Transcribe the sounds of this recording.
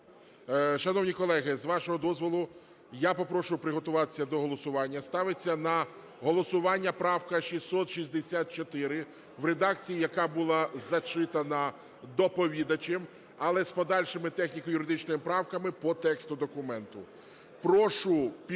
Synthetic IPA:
ʃɐnɔwnʲikɔlˠɛɦɪzʋɑʃɔɦɔd̪ɔzʋɔlˠʊ | japɔpɾɔʃʊpɾɪɦɔt̪ʊʋɑt̪e̥sʲːɐd̪ɔɦɔlˠɔsʊʋɑnʲːɐst̪ɑʋɪt͡sʲːɐnɐ | ɦɔlˠɔsʊʋɑnʲːɐpɾɑwkɐʃisːɔt̪ʃizʲd̪esʲat̪̚t͡ʃɔt̪ɪɾɪ | ʋɾed̪ɑk̚t͡sʲijijɐkɑbulˠɑzɐt͡ʃɪt̪ɐnɐ | d̪ɔpɔʋʲid̪ɐt͡ʃem | ɐlˠɛspɔd̪ɑlʲʃemɪt̪ɛxnʲikɔjʊɾɪd̪ɪt͡ʃnɔjɪpɾɑwkɐmɪpɔt̪ɛkst̪ʊd̪ɔkʊmɛnt̪ʊ | pɾɔʃʊpʲ

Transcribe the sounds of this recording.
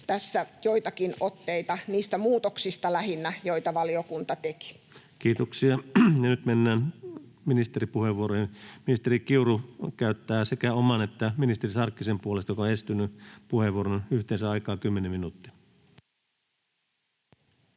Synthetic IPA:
t̪æsːæjoit̪ɑkinot̪ːeit̪ɑniːst̪æmuːt̪oksist̪ɑlæhinːæjoit̪ɑʋɑliokunt̪ɑt̪eki̥ | kiːt̪oksiɑjɑnyt̪menːæːn | minist̪eɾipuheʋːuoɾohinminist̪eɾikiurukæyt̪ːæːsekæomɑnet̪ːæminist̪erisɑrkːisempuolest̪ɑjokɑonest̪ynːypuheʋːuoɾonyht̪eːnsæɑikɑːkymːenemminuːt̪ːi̥

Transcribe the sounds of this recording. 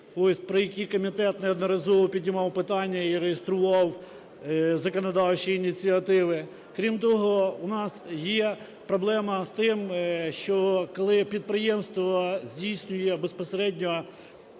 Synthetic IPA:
ɔsʲpɾɔjɐkʲikɔmʲit̪ɛt̪nɛɔd̪nɐɾɐzɔʋɔpʲidʲnʲɪmɑwpɪt̪ɑnʲːɐiɾejest̪ɾʊʋɑw | zɐkɔnɐd̪ɑwt͡ʃiːnʲit͡sʲiɐt̪ɪʋɪ | kɾʲimt̪ɔɦɔʊnɑsjɛ | pɾɔblˠɛmɐst̪ɪmʃt͡ʃɔkɔlˠɪpʲid̪̚pɾɪjɛmst̪ʋɔzʲdʲijsʲnʲʊjɛbespɔseɾɛdʲnʲɔ

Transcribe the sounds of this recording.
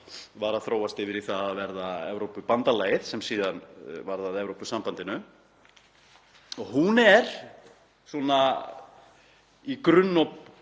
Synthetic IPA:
vaɾaðθɾoːwast̪ɪvɪɾiθaavɛɾðaɛvɾowpʏpant̪alaːjɪðsɛmsiːðanvaɾðaðɛvɾowpʏsampant̪ɪnʏ | ɔɣhunɛɾ̥ | sɔna | ikɾʏnːɔp

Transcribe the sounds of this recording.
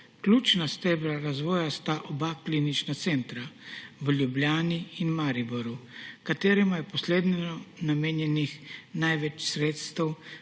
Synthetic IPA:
klʲuːt͡ʃnast̪ɛbɾaɾazʋɔːjast̪aʔɔbaklinit͡ʃnat̪sɛːnt̪ɾaʋəlʲjubljaːniinmaɾibɔɾukat̪eːɾɛmajɛpɔsleːd̪nɛnɔnameːnjɛnixnajʋɛt͡ʃsɾeːt̪st̪ɛw

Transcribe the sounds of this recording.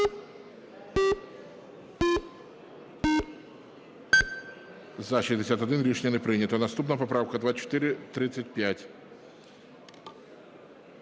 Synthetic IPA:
zɐʃɪzʲd̪ʲɪsʲat̪ɐd̪ʲinlʲiʂnʲɪnɛpɾɨnʲɪt̪ənɐst̪upnəjəpɐpɾawkəd̪vat͡ɕːɪ̥t̪ɪɾʲɪt̪ɾɪt̪sətʲpʲjætʲ

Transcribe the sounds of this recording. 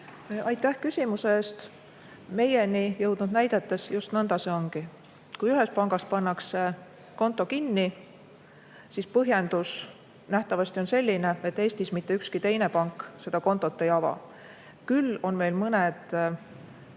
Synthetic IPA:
ʔɑjt̪ːˑæhkysʲimuseeːst̪ | me̞jenijɤwd̪̥nud̪̥næjd̪̥et̪ːˑe̞sjust̪nɤnd̪̥ɑse̞o̞ŋɡ̥i | kujyɦe̞spɑŋɡ̥ɑspɑnːɑkse | ko̞nt̪ːˑo̞kinːi | sispɤɦje̞nd̪us | næht̪ɑvɑsʲt̪io̞nse̞lʲːine̞e̞t̪ːˑe̞ːst̪ismit̪ːe̞ykskit̪e̞jne̞pɑŋkːˑse̞d̪̥ɑko̞nt̪ːˑo̞t̪ːejɑvɑ̰ | kylːo̞nme̞jlmɤned̪̥

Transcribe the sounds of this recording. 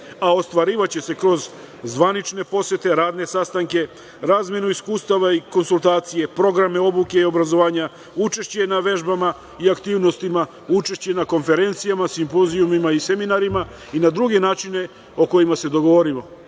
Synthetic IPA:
ao̞st̪ʋaɾiːʋat͡ɕe̞se̞kɾo̞z | zʋanit͡ʃne̞po̞sje̞t̪e̞ɾaːd̪ne̞sast̪aŋke̞ | ɾaːzmje̞nuiskuːst̪aʋaiko̞nsult̪aːt̪sije̞pɾo̞ɡɾame̞o̞buke̞io̞bɾazo̞ʋaːɲa | ut͡ʃe̞ʃt͡ɕe̞naʋe̞ʒbama | iakt̪iːʋno̞st̪ima | ut͡ʃe̞ʃt͡ɕe̞nako̞nfe̞ɾe̞nt̪sijamasimpoziumimaise̞minaɾima | inad̪ɾuɡe̞naːt͡ʃine̞ | o̞ko̞jimase̞d̪o̞ɡo̞ʋo̞ɾimo̞

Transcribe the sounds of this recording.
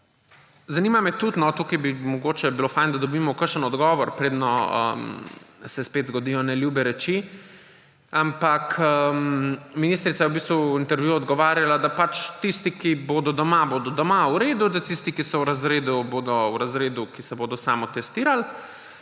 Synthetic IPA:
zanimamɛt̪ut̪nɔt̪ukajbimɔɡoːt͡ʃɛbilofajnd̪ad̪ɔbimɔkəɾʃənɔd̪ɡɔːʋɔɾpɾeːd̪nɔə̰msɛspeːt̪zɡɔd̪iːjɔnɛljubɛɾɛt͡ʃi | ampakə | minist̪ɾit̪sajɛwbist̪ʋuint̪ɛɾʋjuɔd̪ɡɔʋaːɾjalad̪apat͡ʃt̪ist̪ikibod̪ɔd̪ɔmabod̪ɔd̪ɔmauɾeːd̪ud̪at̪ist̪ikisɔwɾazɾeːd̪uboːd̪ɔwɾazɾeːd̪ukisɛboːd̪ɔsaːmɔt̪ɛst̪iːɾal

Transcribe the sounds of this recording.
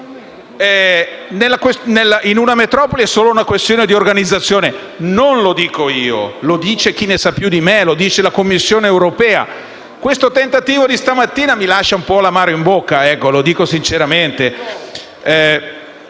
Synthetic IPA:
ɛnelːakwesnelːaʔinunamet̪ɾɔːpoliɛsːoːlounakwest̪joːned̪iorɡanid̪zːat̪sːjoːne | nonlod̪iːkoiːo̰lod̪iːt͡ʃek̟inesapːjud̪imelod̪iːt͡ʃelakomːisːjoːneːwɾopɛːa̰ | kwest̪ot̪ent̪at̪iːvod̪ist̪amat̪ːiːnamilaʃːaumpɔlamaːɾoimbokːaɛkːolod̪iːkosint͡ʃeɾament̪e | ɛ

